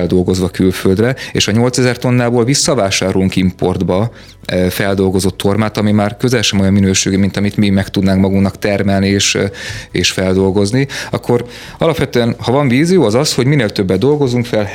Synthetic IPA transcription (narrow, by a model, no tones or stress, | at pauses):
ɛld̪o̞lɡo̞zʋɒkylføld̪rɛḛːʃɒɲo̞lt̪sɛzɛrt̪o̞nːaːboːlvisːɒvaːʃaːɾoluŋkimpo̞̰rd̪bɒ | fɛld̪o̞lɡo̞zo̞t̪ʰːo̞rmaːt̪ɒmimaːrkøzɛlʃɛmo̞jɒmːinøːʃeːɡimint̪ɒmit̪mimɛkt̪ud̪naːŋkmɒɡuŋknɒkt̪ɛrmɛlnieːʃeːʃfɛld̪o̞lɡo̞zniɒkʰːo̞r | ɒlɒpʋɛt̪øːɛnhɒvɒɱviːzijoːɒzɒsho̞ɟmineːlt̪ø̞bːɛd̪ːo̞lɡo̞zuŋkfɛl